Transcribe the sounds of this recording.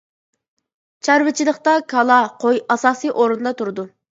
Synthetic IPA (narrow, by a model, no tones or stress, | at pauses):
t͡ʃʰæɾvɪt͡ʃʰilˠəχt̪ɑkʰɑlˠɑqʰojɑsɑːsijʔoɾund̪ɑt̪ʰuɾɨd̪u